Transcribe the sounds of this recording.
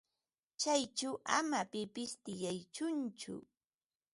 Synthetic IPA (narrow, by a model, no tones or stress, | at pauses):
t͡ʃajt͡ʃawʔa̰mapɪpɪst̪ɪjajt͡ʃʊnt͡ʃʊ̰